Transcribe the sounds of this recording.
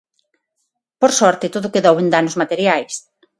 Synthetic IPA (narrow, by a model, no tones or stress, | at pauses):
poɾsɔɾt̪ɪt̪oðʊkeðowend̪anozmat̪eɾjajs